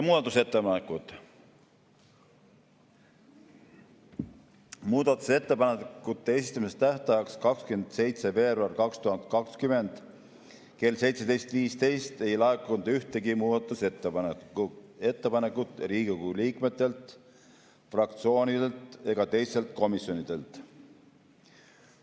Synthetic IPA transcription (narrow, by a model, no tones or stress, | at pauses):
muːd̪ɑt̪ːˑuse̞t̪ːepɑnekːˑut̪ | muːd̪̥ɑt̪ːˑu̥se̞t̪ːe̞pɑnekːut̪ːe̞esist̪ːɑmist̪æht̪ɑjɑkskɑkskyend̪̥se̞jt̪se̞ve̞ːbɾɑrkɑkst̪uhɑnd̪̥kɑkskyme̞nd̪̥ | ke̞lse̞jt̪se̞d̪e̞jst̪viːst̪e̞jst̪e̞jlɑekːˑund̪̥yht̪e̞ɡimuːd̪̥ɑt̪ːˑuset̪ːe | e̞t̪ːepɑnekːˑut̪ːˑɾiːɡiɡuliːkme̞t̪ːˑe̞lt̪ˑ | frɑkt̪sio̞ːnʲid̪̥elt̪e̞ɡ̥ɑt̪e̞jst̪e̞lt̪ko̞misjo̞nid̪̥e̞lt̪